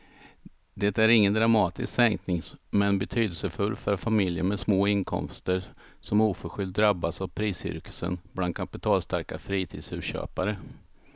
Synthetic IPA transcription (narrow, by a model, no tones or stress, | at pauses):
d̪ɛt̪æɾɪŋːənd̪ɾamɑːt̪ɪ̰sksɛŋknɪŋmɛnbɛt̪ʰyːd̪əlsəfɵlːfœɾfamɪljəɾmɛsmoːɪnkʰɔ̰mst̪əɾsɔmuːfœɾɧʏld̪̚d̪ɾabːasavpʰɾiːsʏ̰ɾkə̥sə̰nbland̪̚kʰapɪt̪ʰɑːlst̪aɾkafɾiːt̪ʰḭːd̪sʉ̟ːɕø̰ːpaɾə